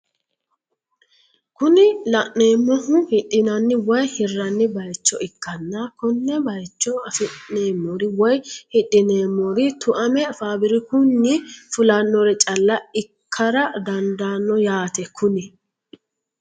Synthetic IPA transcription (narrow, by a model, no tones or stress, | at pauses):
kʊnɪlɐʔne̞ːmːɔɦʊhɪɗɪnɐnːɪwɔjhɪrːɐnːɪbɐjt͡ʃːɔɪkːɐnːɐkʊnːɛbɐjt͡ʃːɔɐfɪʔneːmːɔɾɪwɔjhɪɗʼːɪneːmːɔɾɪt̪ʊʔɐmɛɐfaːbɪɾɪkʊnːɪfʊlɐnːɔɾɛt͡ʃʼɐlːɐɪkʰːɐɾɐd̪ɐnd̪anːɔjaːt̪ɛkʊnɪ